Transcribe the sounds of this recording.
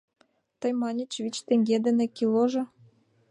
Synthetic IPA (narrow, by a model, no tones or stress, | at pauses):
t̪ɤ̆jmɑnʲɘ̆t͡ɕvit͡ɕt̪eŋʲɡʲed̪ɘ̆nĕkʲilˠoʒɤ̆